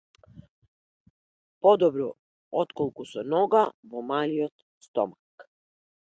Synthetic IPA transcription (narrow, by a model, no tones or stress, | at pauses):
pod̪obɾɔ | ot̪kolˠkusunoɡaʋomaliot̪ | st̪o̰mak